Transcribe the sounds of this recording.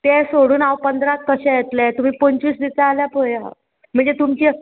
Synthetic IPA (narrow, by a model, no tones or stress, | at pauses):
t̪ɛsoɽuːnawpənd̪ɾakːəɕɛ̃jet̪lɛt̪um̤iːpoɲt͡ɕiːsd̪it͡saːljapoja̰ | m̤əɳd͡zet̪umt͡ɕiː